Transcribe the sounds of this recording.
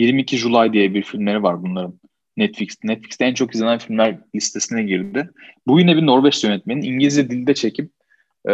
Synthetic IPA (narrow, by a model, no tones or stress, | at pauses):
jiɾmiːcʰiʒulˠajd̪ijɛbiɾfilʲmlʲe̞ɾivaɾbunlˠaɾɯnː | ɛt̪flʲicst̪nɛt̪flʲicst̪ɛænt͡ʃʰo̞kizʲenænfilʲmlʲæɾlʲist̪ʰe̞sinɛɟiɾd̪ɪbujynɛbino̞ɾvɛt͡ʃt̪jønɛt̪̚meniniɲɟilʲizjɛd̪ilʲd̪ɛt͡ʃʰe̞cʰip̚